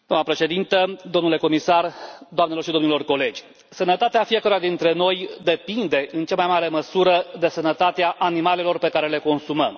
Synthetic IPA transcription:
d̪oamnəpɾe̞ʃe̞d̪int̪əd̪o̞mnule̞ko̞misard̪oamnelo̞rʃid̪o̞mnilo̞rko̞le̞d͡ʒʲ | sənət̪at̪eafije̞kəɾojad̪int̪ɾe̞no̞jd̪e̞pind̪e̞ʔɨnt͡ʃamajmaɾe̞məsuɾəd̪e̞sənət̪at̪eaʔanimale̞lo̞rpekaɾe̞le̞ko̞nsuməm

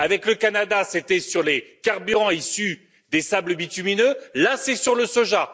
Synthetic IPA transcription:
avɛkləkanad̪aset̪ɛsyʁlekaʁbyʁɑ̃isy | d̪esabləbit̪yminølɛ̃sesyʁləsoʒa

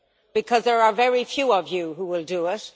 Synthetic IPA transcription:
b̥ɨkʰʌzðə˞əvɛɹifjuːʌvjuɦuwɪlˠdəɪt̚

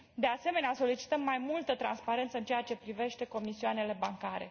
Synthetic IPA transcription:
d̪e̞ase̞me̞neaso̞lit͡ʃi̥t̪əmːajmult̪ət̪ɾa̰nspaɾe̞nt̪səɨnt͡ʃejat͡ʃe̞pɾive̞ʃt̪e̞ko̞misiuane̞le̞baŋkaɾe̞̰

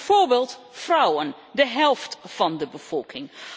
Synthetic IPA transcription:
v̥oːɹbeːlˠt | frʌwən | dəɦɛlˠftfɑndəbəv̥ɔlˠkɪŋ

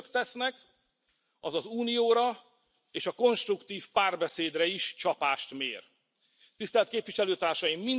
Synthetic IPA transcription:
kt̪ɛsnɛk | ɒzɒzuːnijoːɾɒ | eːʃɒko̞nʃt̪rukt̪iːfpaːrbɛseːd̪rɛiʃt͡ʃɒpaːʃt̪mḛːr | t̪ist̪ɛlt̪̚keːpʋiʃɛløːt̪aːrʃɒjimːin

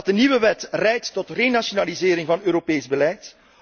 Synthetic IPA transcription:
t̚dəniʋəʋɛtrɛjtːɔtreːnasonalizeːɾɪŋvɑnøːɾopeːzbəlɛjt

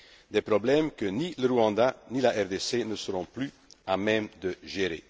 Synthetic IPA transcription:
d̪ɛpʁɔblɛmkəniləʁuɑ̃d̪anilaʔɛʁd̪esenəsəʁɔ̃ply | amɛmd̪əʒeʁḛ

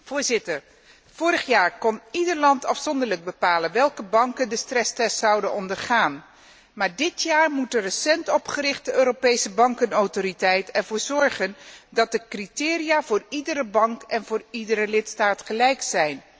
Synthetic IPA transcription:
v̥ʊːɹzɪtəɹ | v̥ʊːɾəχjaːɹkɔnidəɹlɑntɑfsɔndəɹləɡ̚bəpaːlənʋɛlˠkəbɑŋkəndəstrɛstɛstsɑwdənɔndəɹχaːn | maːɹdɪtjaːɹmutərəsɛntɔpχərɪχt̚dəøːɾowpejsəbɑŋkənowtoɾitɛjtɛɹvʊːɹzɔɹχəndɑt̚dəkritɪːrijaːvʊːɹidəɾəbɑŋkɛnvʊːɹidəɾəlɪtstaːtχəlɛjksɛjn

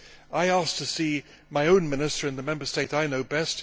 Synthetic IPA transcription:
aɪæstʰɨsi | maɪõʊ̃nmɪ̃nɨstə˞ɨ̃nðəmɛ̃mbə˞steɪɾaɪnoʊbɛst

